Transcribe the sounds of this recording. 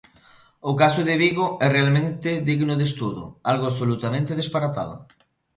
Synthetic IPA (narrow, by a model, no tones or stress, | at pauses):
ʊkasʊðɪβiɣʊɛrealmẽnt̪ɪðiɣnoðest̪uðʊ̰alɣoaβsolut̪amẽnt̪ɪð̞espaɾat̪a̰ðʊ̰